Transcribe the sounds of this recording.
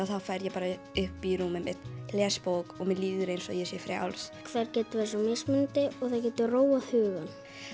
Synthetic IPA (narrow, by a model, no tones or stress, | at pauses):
awθawfaːjɾjɛpaːɾaʏhpiɾuːmɪmɛ̰ðlɛːspowkɔɣmɛliːðʏɾejnsɔjɛsjɛfɾa̰a̰wlskʰvɛɾcɛːt̪ʏvɛs̬ɔmɪsmɪnt̪ɪɔɣθawcɛːt̪ʏroːwahʏːɣan